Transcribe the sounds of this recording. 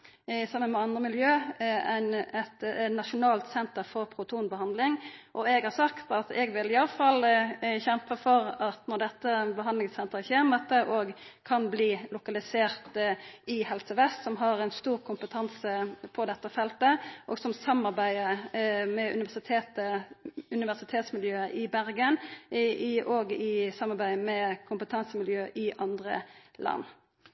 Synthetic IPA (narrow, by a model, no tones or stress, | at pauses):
sɑmːənmɛɑnd̪ʁəmɪljøːɛnɛt̪nɑʂʊnɑːlt̪sɛnt̪əɾfɔɾpʰɾʊt̪ʰuːnbəhɑnd̪lɪŋʔɔɛɡhɑɾsɑkt̪ɑt̪ɛɡʋɪlɪɑləfɑlçɛmpəfɔʁɑt̪nɔʁd̪ɛt̪ːənbəɑnd̪lɪŋsɛnt̪əɾəçeːɾmɛt̪əʔoːɡkʰɑnbliːlʊkɑlɪseːʁt̪ɪhɛlsəʋɛst̪sɔmɦɑʁɛnst̪uːʁkʰʊmpət̪ʰɑnsəpʰɔd̪ɛt̪ːəfɛlt̪əʔɔɡsɔmsɑmːɑʁbæɪəmɛʉ̰nɪʋæsɪt̪ʰeːt̪əʉnɪʋæʁsɪt̪ʰeːt̪smɪljøːəʔɪbæʁɡən | ʔoːɡɪsɑmːɑɾbæɪəmɛkʰʊmpət̪ʰɑnsəmɪljøːʔɪʔɑnd̪ʁə̰lɑ̰nː